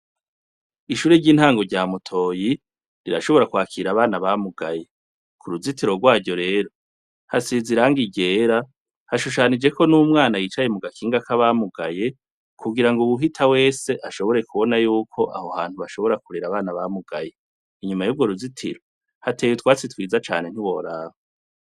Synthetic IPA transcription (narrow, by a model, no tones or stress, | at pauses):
iʃuːɾeɾɟiːnhaːŋɡo̞ɾɟaːmutʰo̞ːji | ɾiɾa̰ʃo̞βo̞ɾakwaːkʰiɾaβaːnaβamuɡaje̞ | kʰuɾuzitiɾo̞ɡwaːɟo̞ɾe̞ːɾo̞ | hasiziɾaŋɡiɟeːɾa | haʃuʃ̬anid͡ʒe̞kʰo̞numŋaːnajiːt͡ʃaje̞muɡakʰiːŋɡakaβamuɡaje̞ | kʰuɡiɾaŋɡuβuɦitʰawe̞ːse̞ʔaʃo̞βo̞ɾe̞kuβo̞najuːkʰo̞ʔa̰hohaːn̥huβaʃo̞βo̞ɾakuɾiɾaβaːnaβamuɡa̰je̞ | iɲumajub̚ɡo̞ɾuzitʰḭɾo̞ | hateːjutwaːt͡sitwiːzat͡ʃa̰ːne̞n̥hiβo̞̰ɾaːho